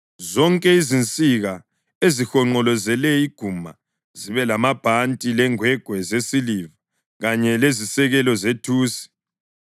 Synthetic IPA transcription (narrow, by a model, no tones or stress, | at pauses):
zɔŋkʼɛizint͡sʼiɣa | ezixɔŋ͡ǃɔlɔzɛlɛiɡ̥ʱuma̰ | ziβɛlamab̥ʱantʼilɛŋwɛɡ̥ʱwɛzesiliva | ɣaɲɛlezisɛɣɛlɔzetʰuːsi̥